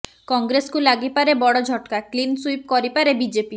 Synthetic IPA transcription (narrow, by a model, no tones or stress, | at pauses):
kɔŋɡɾeskulaɡipaɾebɔɽod͡ʑʱɔʈkaklinsujp̚kɔɾipaɾebid͡ʑepi